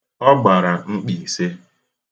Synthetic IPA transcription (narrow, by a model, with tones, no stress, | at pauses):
ɔ˦ɡ͡ba˨ɾa˨ŋ͡m̩˦k͡pi˨se˦